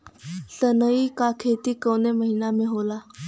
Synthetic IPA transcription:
sənəikakʰet̪iːkəwneməɦinameɦola

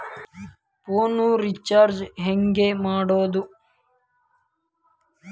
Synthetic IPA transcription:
poːnuɾit͡ʃaːɾd͡ʒɦeŋɡemaːɽoːd̪u

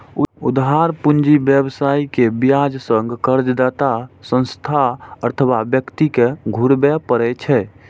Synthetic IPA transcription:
ud̪ɦaɾpund͡ʒibjəbsaikebijad͡ʒsəŋɡkəɾd͡ʒd̪at̪asə̃nst̪ʰaəɾt̪ʰəwabjəkt̪ikeɡʱuɾbɛpəɾɛt͡ʃʰɛ

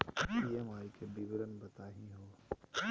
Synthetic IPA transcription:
iẽmaːɾikʰebiːbɪɾənɪ̆bɐt̪aːɦĩɦoː

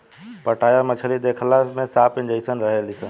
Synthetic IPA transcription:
pəʈaːjamət͡ʃʰəlid̪ekʰəlasmẽsaːpɪnd͡ʒəisənɾəɦelisən

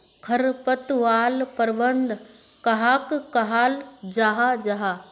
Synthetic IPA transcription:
kʰɐɾpɐt̪ʋaːlpɐɾbənd̪ | kɐɦaːkkɐɦaːld͡ʒaːɦad͡ʒaɦaː

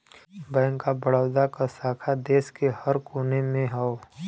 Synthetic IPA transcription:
bɛ̃ːŋkːabəɽaːd̪akasaːkʰad̪eːskehəɾkuːnemẽɦɛo

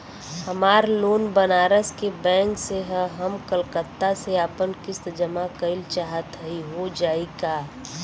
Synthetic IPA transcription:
həmaːɾloːnbənaːɾəskebɛ̃ːŋkseɦə̃ɦəmkəlkət̪ːaseaːpənkɪst̪d͡ʒəmakəɪlt͡ʃaːɦət̪ɦəiɦod͡ʒaːeɡaː

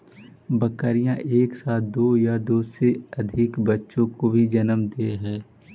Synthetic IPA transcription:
bɐkəɾijãʔeːksaːt̪d̪oːjad̪oːseɐd̪ʱɪkbɐtːʃõkobʱid͡ʒɐnəmd̪eɦɛ̃ː

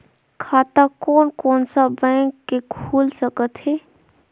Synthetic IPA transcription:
kʰat̪akoːnkoːnsabɛ̃kːekʰulsəkət̪ɦɛ

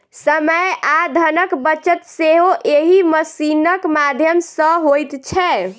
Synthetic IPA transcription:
səməjad̪ʱənəkbət͡ʃət̪seɦoʔeɦiməsinəkmad̪ʱjəmsə̃ɦojt̪t͡ʃʰɛ

